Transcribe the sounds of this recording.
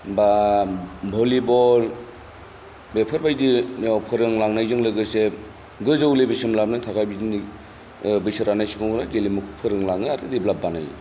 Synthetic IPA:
ba | bʱolibɔl | bepʰɯɾbajdiɔpʰɯɾɯŋlaŋnajzɯŋlɯɡɯse | ɡɯzowlebisɯmlamnɯtʰakʰajbidini | bɯjsɯɾanajsɯmɯŋuɾaɡelimukʰɯpʰɯɾɯŋlaŋɯaɾɯdiblab̚bana̰j

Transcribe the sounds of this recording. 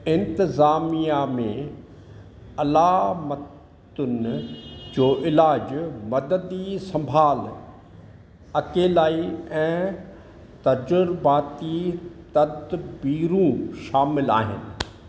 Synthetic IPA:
ɪ̃nt̪ɪzaːmijamẽ | ɐlaːmət | ʊn | d͡ʑoːʔɪlaːd͡ʑmɐd̪əd̪isɐ̃mbʱaːl | ɐkeːlaːiɛ̃ː | t̪ɐd͡ʑʊɾbaːt̪it̪ɐd̪biːɾũʃaːmɪla̰ːɦɪ̰nɪ̆

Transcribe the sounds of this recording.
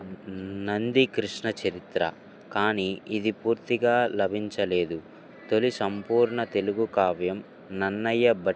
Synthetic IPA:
nɐnd̪ikɾiʂɳɐt͡ʃɐɾit̪ɾɐ̰ | kaːniid̪ipuːɾt̪iɡaːlɐbʱiɲt͡ʃɐleːd̪u | t̪o̞lisɐmpuːɾɳɐt̪e̞luɡukaːʋjɐm | nɐnːɐjːɐbɐ

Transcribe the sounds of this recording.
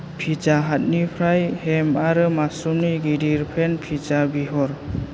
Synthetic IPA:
pʰid͡ʒaɦat̚nipʰɾajhemaɾɯmasumniɡidiɾpʰenpʰid͡ʒabiɦɔɾ

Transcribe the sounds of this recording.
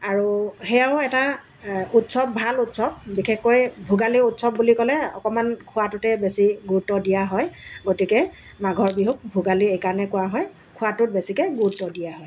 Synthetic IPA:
aɹuxɛaʊɛta | utsɔp̚bʱalutsɔb̚bikʰɛxkojbʱuɡaliutsɔb̚bulikɔlɛɔ̰kɔmankʰʊatʊtɛbesiɡutːɔdijaɦɔjɡotikɛ | maɡʱɔɹbiɦuk̚bʱuɡaliejkanɛkʊwaɦɔj | kʰʊatʊt̚besikɛɡutːɔdijaɦɔj

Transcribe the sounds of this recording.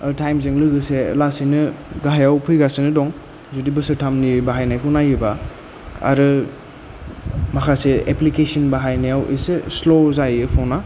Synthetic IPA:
tʰajmzeŋlɯɡɯselasinɯɡaɦajawpʰɯjɡasenɯdɔŋ | zudibɯsɯtʰamnibaɦajnajkʰunajɯba | a̰ɾɯ | makʰaseeplikesinbaɦajnajawʔḛseslozajɯpʰona

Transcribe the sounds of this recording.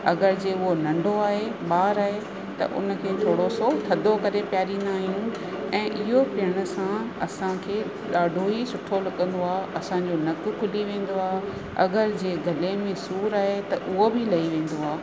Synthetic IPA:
ɐɡəɾd͡ʑeːʊɦonɐ̃ɳɖʱoaːɦeɓaːɾaːɦe | t̪ɐ̰ʔʊ̰nə̆kʰeːt̪ʰoːɽosot̪ʰɐd̪ʱokɐɾepjaːɾĩːn̆d̪aːɦijũ | ɛ̃ːʔɪɦopɪəɽ̃ʊ̆sã | ɐsãkʰeː | ɗaːɖʱoisʊʈʰolɐkə̃n̆d̪oaːɦɐsãɲd͡ʑonɐk̆kʰʊliʋẽːn̆d̪oaːɦ | ɐ̰ɡəɾd͡ʑeːɡʱɐlemẽsuːɾaːɦet̪ɐʔʊɦobʱɪlɐiʋẽːn̆d̪oaː

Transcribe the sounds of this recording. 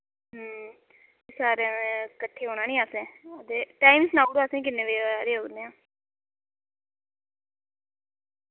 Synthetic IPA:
ɦ | esaːɾekəʈʰːeːɦoːnaːnĩːaːsẽːd̪eːʈaːimsnaːɡoasẽĩːkɪnːeːʋeːaːɾeːɦoːɡnẽãː

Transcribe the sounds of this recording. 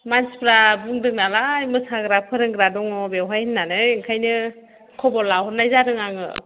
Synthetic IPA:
manspʰɾabuŋdɯk̚nalajmɯsaɡɾapʰɯɾɯŋɡɾadɔŋɔbewɦajɯnːanɯjŋkʰajnɯ | kʰɔbɔlahɔt̚najzaɾɯŋaŋɯ̰

